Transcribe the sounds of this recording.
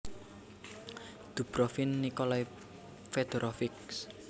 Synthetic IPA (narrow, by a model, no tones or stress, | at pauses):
d̪̥ṳb̥ɾɔfinːikolai | fed̪̥oɾʔɔfɪk̚s